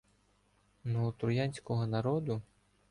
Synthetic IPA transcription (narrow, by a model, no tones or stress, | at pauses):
nɔɔt̪ɾʊjɑnʲsʲkɔɦɔnɐɾɔd̪ʊ